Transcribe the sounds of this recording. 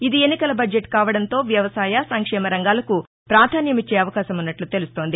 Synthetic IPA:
id̪ie̞nːikɐlɐbɐd͡ʒeʈkaːʋɐɽɐnt̪o̞ːʋjɐʋɐsaːjɐsɐŋkʂɛːmɐɾɐŋɡaːlɐku | pɾaːd̪ʱaːnjɐmit͡ʃːeːɐʋɐkaːʃɐmunːɐʈlut̪e̞lust̪o̞ːnd̪i

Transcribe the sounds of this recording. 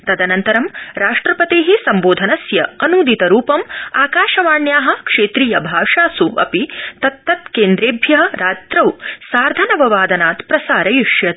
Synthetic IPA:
t̪ɐd̪ɐnɐnt̪ɐɾɐmɾaːʂʈɾɐpɐt̪eːɦisɐmboːd̪ʱɐnɐsjɐɐnuːd̪it̪ɐɾuːpɐmaːkaːʃɐʋaːɳjaːɦɐ̆kʂeːt̪ɾiːjɐbʱaːʂaːsuʔɐ̰pit̪ɐt̪ːɐt̪keːnd̪ɾeːbʱjɐɦɐ̆ɾaːt̪ɾɐwsaːɾd̪ʱɐnɐʋɐʋaːd̪ɐnaːt̪pɾɐsaːɾɐjuʂjɐt̪

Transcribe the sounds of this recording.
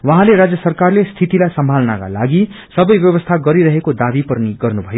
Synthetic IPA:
wʌɦãleɾad͡zjʌsʌrkarlest̪ʰit̪ilajsʌmbʱalnaka̰la̰ɡisʌbʌjbjʌbʌst̪ʰaɡʌɾiɾʌɦekod̪abipʌrniɡʌrnubʱʌjo

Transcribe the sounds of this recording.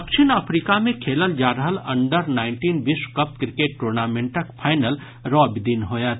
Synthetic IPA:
əkʃɪnəpʰɾiːkamẽkʰeːləld͡ʒaːɾəɦəlɐ̃ɳɖəɾnaːɪɳʈiːnʋɪʃkɐpkɾɪkeːʈːuːɾnaːmẽɳʈəkpʰaːɪnəl | ɾɔːbd̪ɪnɦoːjaːt̪

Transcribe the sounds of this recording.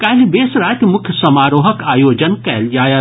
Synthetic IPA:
kaːɾibeːsɾaːt̪jmʊkʰjəsɐmaːɾoːɦɐkaːjoːd͡ʒɐnkɛljaːjɐ

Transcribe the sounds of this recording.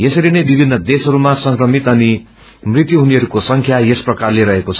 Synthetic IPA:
jesʌɾinʌjbibʱinːʌd̪esʌɾumasʌŋkrʌmit̪ʌni | mrit̪juɦuneɦʌɾukosʌŋkʰjajesprʌkarleɾʌɦekot͡sʰʌ̥

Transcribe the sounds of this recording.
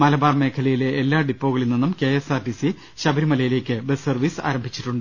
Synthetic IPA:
mɐlɐbaːrme̞ːkʰɐlɐjile̞ːlːaːɖipːo̞ːɣɐɭilninːumke̞esaːrɖisi | ɕɐbiɾimɐlɐjile̞ːkʲːɨbesɐrʋiːsa̰ːɾɐmbʱit͡ɕːiʈːuɳɖɨ

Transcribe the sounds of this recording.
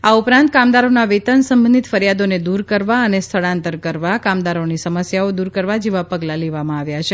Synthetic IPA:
aupɾãnt̪̚kamd̪aɾonaʋet̪ənsəmbənd̪it̪fəɾijad̪oned̪uɾkəɾʋaənest̪ʰəɭãnt̪əɾkəɾʋakamd̪aɾonisəməsjaod̪uɾkəɾʋad͡ʒeʋapəɡlaleʋamãaʋjat͡ʃʰe

